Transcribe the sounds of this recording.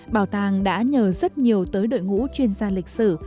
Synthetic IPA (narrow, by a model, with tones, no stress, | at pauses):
ɓaː˨˩wt̪aː˨˧˩ŋɗa̰ː˧˥ɲəː˨˩zə˦˥t̚ɲi˨˩əwt̪əː˨˦jɗo̰˧˨jŋṵ˧˥t͡ɕwi˧ənzaː˧lï˨˩k̟̚sɨ˧˩